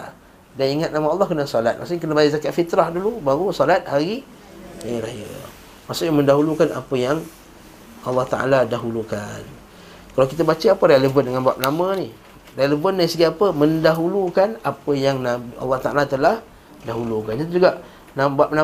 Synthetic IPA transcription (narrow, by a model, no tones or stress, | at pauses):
daniŋat̪̚namaɑlˠˤːɑhkənasɔlat̪̚ma̰ʔsuɲakənabajaʔzakaʔfit̪ɾahdulubaɾusɔlat̪̚haɾi | ajaɾaja̰ | masʊʔɲaməndaɦulukana̰pəjaŋ | ɑlːɑht̪aʔa̰ladaɦulukan | kalawkit̪abat͡ʃaapəɾeləvəndəŋanbuap̚namə̃ni | reləvəndaɾisəɡiapəmə̃ndaɦulukanapəjaŋnabɑ̰lːɑht̪aʔalat̪əlah | daɦulukand͡ʒad̪id͡ʒuɡaʔ | nabap̚na